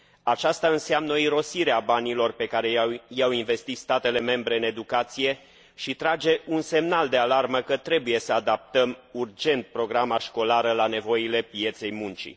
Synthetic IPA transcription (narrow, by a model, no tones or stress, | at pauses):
at͡ʃast̪aɨnseamnəoiɾo̞siɾeabanilo̞rpe̞kaɾe̞jawinve̞st̪it̪st̪at̪e̞le̞me̞mbɾe̞ɨne̞d̪ukat̪sije̞ | ʃit̪ɾad͡ʒe̞ʔunse̞mnald̪e̞alarməkət̪ɾe̞buje̞səad̪ap̚t̪əmurd͡ʒe̞nt̪̚pɾo̞ɡɾamaʃko̞laɾəlane̞vo̞ile̞pije̞t̪se̞jmunt͡ʃḭ